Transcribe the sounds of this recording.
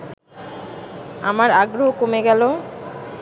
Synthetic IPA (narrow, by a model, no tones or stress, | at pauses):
amaɾaɡɾoɦokomeɡɛlo